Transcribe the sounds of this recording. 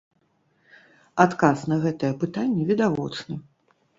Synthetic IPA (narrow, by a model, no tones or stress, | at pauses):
at̪kasn̪ɐɣɛt̪ɐjɐpɨt̪anʲːɛvʲid̪avɔt͡ʂnɨ